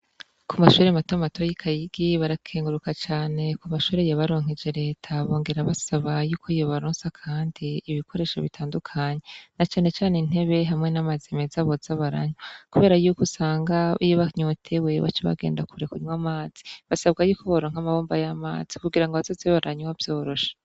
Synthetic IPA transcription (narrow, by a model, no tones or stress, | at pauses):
kʰumaʃuːɾematomatojikʰajiɡiβaɾakʰeːŋɡuɾukat͡ʃaːne̞kumaʃuːɾe̞jaβaɾo̞ːŋ̥ed͡ʒe̞ɾe̞ːtʰaβo̞ːŋɡe̞ɾaβasaβajuːkʰoijo̞βaɾoːnsakʰaːndiːβikʰo̞ɾe̞ːʃo̰βitʰaːndukʰaɲe̞nat͡ʃaːne̞t͡ʃaːnein̥e̞βe̞ɦamŋe̞namazimezaβo̞zaβaɾa̰ɲokuβeːɾajukusaːŋɡaijoβaɲotʰewe̞βa̰t͡ʃeβa̰ɡe̞̰ːndakʰuɾekuɲwamaːz̥i̥βasabɡajuːkoβaɾoŋhamaβoːmbajama̰ːz̥ikuɡiɾaŋɡaβazozeβaɾʔaɲowavjo̞ːɾo̞ʃe̥